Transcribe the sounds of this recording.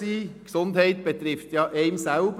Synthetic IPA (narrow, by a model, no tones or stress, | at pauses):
iːksʊnd̪hɛɪt̪̚b̥ɛt̪ɾɪft̪jɑʔɛɪmsælb